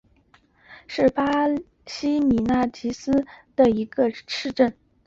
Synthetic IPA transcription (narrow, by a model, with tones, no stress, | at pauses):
ʂɻ̩˥˩pa˥ | ɕi˥mi˨˩na˥˩t͡ɕʰi˧˥sɹ̩˥d̪ə˨i˧˥ɡə˧ʈ͡ʂʰɻ̩˥˧ʈ͡ʂə˥˩n